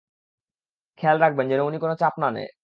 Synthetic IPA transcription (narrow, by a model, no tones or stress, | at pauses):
kʰɛlɾak̚bend͡ʑenounikonot͡ɕapnanḛj